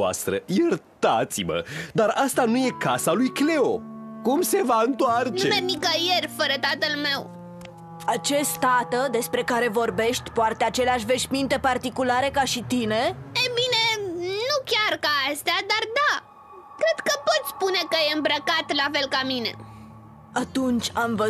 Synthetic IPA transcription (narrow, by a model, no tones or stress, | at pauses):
a̰st̪ɾə̰jɨrt̪at̪simə̰d̪aɾast̪anuje̞kasalujkle̞okumse̞vaɨnt̪oart͡ʃuemernikəjerʲfəɾət̪at̪əlme̞w | at͡ʃe̞st̪at̪əd̪e̞spɾe̞kaɾe̞vo̞rbe̞ʃt̪ʲpoat̪eat͡ʃe̞leaʃ̬ʲve̞ʃmint̪e̞part̪ikulaɾe̞kaʃit̪ine̞ejbinenukʲarkaast̪ead̪ard̪a | kɾe̞d̪kəpo̞t̪sʲspune̞kəjeɨmbɾəkat̪lafe̞lkamine̞̰ | at̪unt͡ʃʲamvə